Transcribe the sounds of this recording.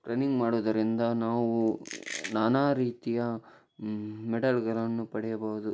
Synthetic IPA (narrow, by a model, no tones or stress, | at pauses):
ʈɾɐniŋɡmaːɽuːd̪ɐɾind̪ɐnaːʋunaːnaːɾiːt̪ijɐ | mɛɖɐlɡɐɾɐnːupɐɽɛjɐbɐɦud̪u